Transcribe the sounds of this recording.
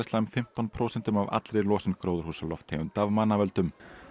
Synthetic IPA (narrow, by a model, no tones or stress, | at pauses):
st̪aʏmfɪm̥t̪ɔnpʰɾoːwsɛnt̪ʏmava̰t̪lɾɪlɔːsɪnkɾoːwðʏɾ̥huːsalɔft̪ʰːɛʏmt̪avmaːnavœlt̪ʏm